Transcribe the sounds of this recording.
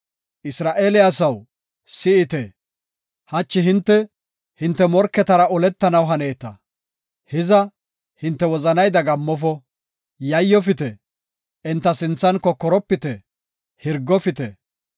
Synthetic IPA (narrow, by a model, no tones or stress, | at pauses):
ʔɪsɾaːʔeːlɪas̬ɐw | sɪɪt̪ɛ | hɐt͡ʃːɪɦɪnt̪ːɛ | hɪnt̪ːɛmɔɾkːɛt̪ɐɾɐɔlɛt̪ːɐnɐwɦɐneːt̪ɐ | hɪzɐ | hɪnt̪ːɛwɔzɐnɐjd̪ɐɡɐmːɔfɔ | jɐjːɔfɪt̪ɛ | ɛnt̪ːɐsɪnt͡sːɐnkɔkːɔɾɔpːɪt̪ɛ | hɪɾɡːɔfɪt̪ɛ